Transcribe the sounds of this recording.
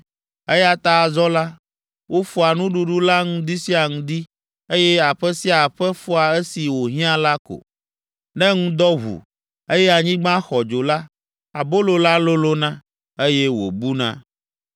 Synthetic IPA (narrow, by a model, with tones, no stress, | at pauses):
e˦ja˦t̪a˦˨zɔ˦la˦ | wʔo˦fu˦a˨nũ˦ɖu˦ɖu˦la˦ŋũ˦d̪i˦si˦a˨ŋũ˨d̪i˦ | e˦jɛ˦a˨ɸɛ˦si˦a˨ɸɛ˦fu˦a˨ɛ˦si˨wo˨ɦĩ˦ã˦la˦ko̰˨ | nɛ̃˦ŋũ˦d̪ɔ˦ɦṵ˨ | e˦jɛ˦a˨ɲĩ˦ɡ͡bã˦xɔ˨d͡ʒo˨la˦ | a˨bo˦lo˨la˦lo˦lo˦nã˦ | e˦jɛ˦wo̰˨bu˦nã̰˦